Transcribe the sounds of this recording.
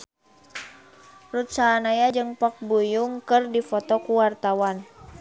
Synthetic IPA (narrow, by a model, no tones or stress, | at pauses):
rut̪̚saːnajad͡ʒɨŋpak̚bujuŋkɨrdifɔt̪ɔkuwart̪awan